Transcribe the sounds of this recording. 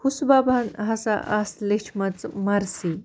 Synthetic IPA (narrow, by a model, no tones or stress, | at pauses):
husbabʱanɦasaʔaslet͡ʃʰmat͡smaɾsi